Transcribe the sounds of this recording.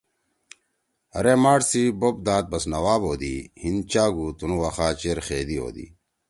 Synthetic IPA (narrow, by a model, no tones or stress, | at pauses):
ɐ̰ɾemaːʈsibob̚d̪aːt̪̚bɐsnɐwaːboːd̪ihint͡ɕaːɡut̪unuwɐxaːt͡ɕeːɾxeːd̪iɦo̰ːd̪ḭː